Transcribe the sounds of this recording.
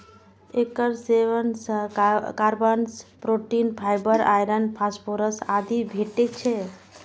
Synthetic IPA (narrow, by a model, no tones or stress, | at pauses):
ekəɾseʋənskaɾbənspɾoʈinpʰajbəɾa̰jɾənpʰaspʰoɾəsad̪ibʱeʈekt͡ʃʰɛ